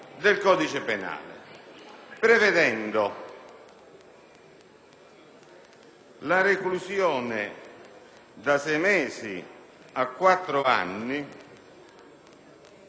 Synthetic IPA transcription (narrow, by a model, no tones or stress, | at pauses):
d̪ɪlkɔːd̪it͡ʃɪpena̰ːlɪ̰ | pɾevɛd̪ɛnd̪o | laɾeklusjɔːnɪ | d̪asɛjmɛːsi | akːwat̪ːɾʊa̰nːi